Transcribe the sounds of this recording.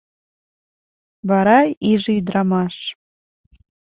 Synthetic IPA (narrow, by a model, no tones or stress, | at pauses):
βɑɾɑiʒeyd̪ɾɑmɑʃ